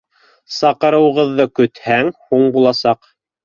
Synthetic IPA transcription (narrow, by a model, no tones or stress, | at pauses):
sɑqɤ̆ɾɤ̆w̆ʁɤ̆ðːɤkɵ̆t̪hæŋhuɴbulˠɑsɑq